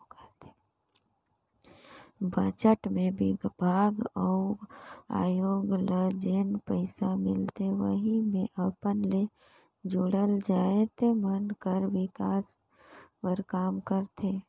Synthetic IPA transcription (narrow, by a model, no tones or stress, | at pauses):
kət̪ʰe̥ | baːt͡ʃəʈmẽbɪbʱaːɡəʊɡa̰ːjoːɡləd͡ʒeːnpəɪsamɪ̰lt̪eʋə̰ɦimẽʔəpənle | d͡ʒʊɽəld͡ʒaːet̪emənkəɾʋɪkaːs | pəɾkaːmkəɾt̪ʰeː